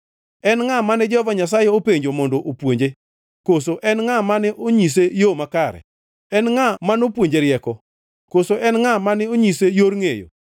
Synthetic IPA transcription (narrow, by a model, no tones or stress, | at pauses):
ɛnŋamanɛd͡ʒɔvaɲas̬ajɛopeɲd͡ʒomɔndoʔopwoɲd͡ʒe | kosoʔɛnŋamanɪʔoɲis̬ejomakaɾɛ̰ | ɛnŋamanopwoɲd͡ʒeɾɪɛkɔ | kosoʔɛnŋamanɪoɲisejoɾŋejo̰